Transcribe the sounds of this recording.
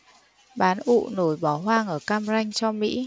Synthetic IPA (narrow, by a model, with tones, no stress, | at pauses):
ɓaː˨˦nʔṵ˧˨no˧˩jɓɔ˧˩ɦwaː˧ŋʔəː˧˩kaː˧mza˧jŋ̟t͡ɕɔ˧mḭ˧˥